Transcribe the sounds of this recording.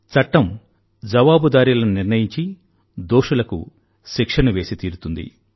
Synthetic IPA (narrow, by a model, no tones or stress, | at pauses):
t͡sɐʈːɐm | d͡ʒɐʋaːbud̪aːɾilɐnuniɾnɐjiɲt͡ʃi | d̪oːʂulɐkṵ | ʃikʂɐnuʋe̞ːsit̪iːɾut̪und̪ḭ